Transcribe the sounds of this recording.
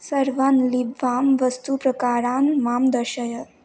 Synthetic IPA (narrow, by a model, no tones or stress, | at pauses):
səɾʋanlibʋamʋəst̪upɾəkaɾanmamd̪əɾɕəjə